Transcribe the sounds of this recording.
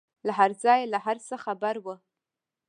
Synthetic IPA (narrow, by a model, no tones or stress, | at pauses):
lħard͡zajlaħarsaχabaɾwa